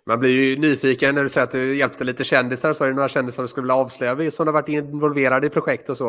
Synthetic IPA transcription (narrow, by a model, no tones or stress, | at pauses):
manblɪɾjɵnyːfiːkənːæɖɵsɛjɾat̪̚d̪ɵjɛlpt̪əliːt̪əɕɛnd̪ɪsaɾsɔɛɾɖɛnoːɾaɕɛnd̪ɪsaɖɵskɵlvɪlːaɑːvslœʏjavɪsɔmd̪ɛhavaʈːɪnvɔlveːɾad̪əɪpʰɾʊɧɛkt̪ɔsɔ